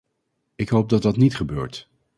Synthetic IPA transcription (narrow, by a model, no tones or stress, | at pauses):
ɪkɦowp̚dɑt̚dɑtnitχəbø̰ːɹt